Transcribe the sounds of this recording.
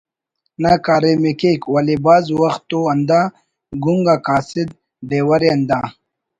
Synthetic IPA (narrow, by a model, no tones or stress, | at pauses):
nakaːɾemikekwɐlibaːzwɐxt̪ːoɐnd̪a | ɡuŋɡakaːsid̪̚ | ɖeːwɐɾeɐnd̪aː